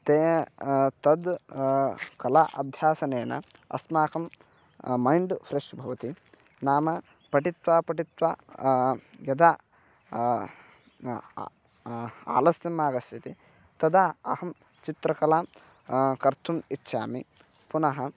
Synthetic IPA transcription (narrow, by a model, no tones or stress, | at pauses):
t̪eː | t̪ɐd̪ | kɐlaʔɐbʱjaːsɐneːnɐ̰ | ɐ̰smaːkɐmː | ɐjɳɖfʰɾeʂʈbʱɐʋɐt̪i | naːmɐ | pɐʈit̪ʋaːpɐʈit̪ʋaː | jɐd̪aː | a̰ːlɐst̪ɐmːaːɡɐst̪ʰit̪i | t̪ɐd̪aːɐhɐm | t͡ʃit̪ɾɐkɐlaː | kɐɾt̪ʰumitːʃʰaːmi | punɐɦɐ